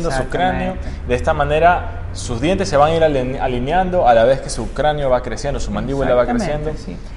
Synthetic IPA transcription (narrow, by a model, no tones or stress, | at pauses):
nd̪osuukɾanjod̪eest̪amãne̞ɾa | suzðjent̪e̞sːe̞βaŋiɾaalinjand̪o̞alaβe̞ske̞suukɾanjoβakɾesje̞nd̪osumãnd̪iβulaβakɾesjend̪o̞